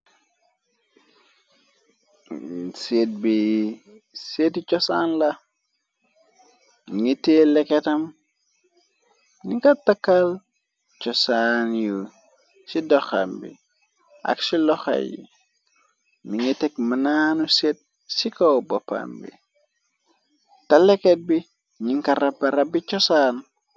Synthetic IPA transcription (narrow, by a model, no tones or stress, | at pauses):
set̚bi | setit͡ʃɔsanlɐ | ŋitelɛkɛtɐm | nikatakːal | t͡ʃɔsanju | sidɔxa̰mbḭ | ʔɐ̰ksilɔxa̰jḭ | miŋitɛkmənanuset̚ | sikobɔpa̰mbḭ | tɐlɛket̚bi | ɲiŋkɐrɐbːɐɾɐbit͡ʃɔsaːn